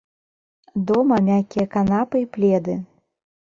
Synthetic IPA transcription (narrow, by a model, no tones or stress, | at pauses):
d̪ɔmɐmʲakʲijɐkanapɨiplʲɛd̪ɨ